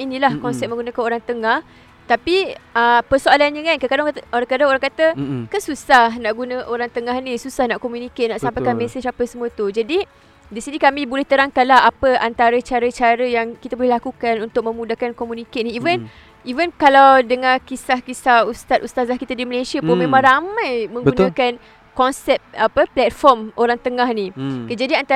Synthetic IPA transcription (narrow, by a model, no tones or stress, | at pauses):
inilahkɔnsɛp̚mə̃ŋɡunakanoɾaŋt̪əŋah | t̪apiəpərsoalanɲəkankəkadaŋoɾaŋkadaŋoɾaŋkat̪əkəsusahnaʔɡunəʔoɾaŋt̪əŋahnisusahnaʔkomjunikeʔnaʔsampajkanmeset͡ʃapəsəmuət̪ud͡ʒadi | disinikamĩbolɛht̪əɾaŋkanlaɦapəant̪aɾət͡ʃaɾət͡ʃaɾəjaŋkit̪abolɛhlakukanunt̪ʊk̚mə̃mudahkankomjunikeniivən | ivənkalawdəŋãkisahkisahust̪at̪̚ust̪azahkit̪adiməlesiapomẽmãŋɾamãjmə̃ŋunãkan | kɔnsɛp̚apəplɛt̪̚fɔmoɾaŋt̪əŋahnikəd͡ʒadiant̪a